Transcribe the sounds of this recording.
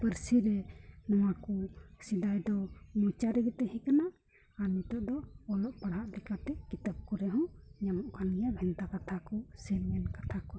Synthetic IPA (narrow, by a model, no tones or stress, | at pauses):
pəɾsiɾɛnɔwakɔsid̪ajd̪ɔmũt͡ʃaɾɛɡɛt̪ɛɦĩkana | amit̪ɔʔd̪ɔɔlɔʔpaɽɦaʔlɛkat̪ɛkit̪əp̚kɔɾɛɦɔ̃ɲamɔʔkanɡɛjabʱɛnt̪akat̪ʰakɔsɛlmɛnkat̪ʰakɔ